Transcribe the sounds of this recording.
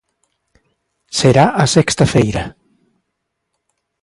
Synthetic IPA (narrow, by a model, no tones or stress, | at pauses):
seɾaʔasɛkst̪afejɾa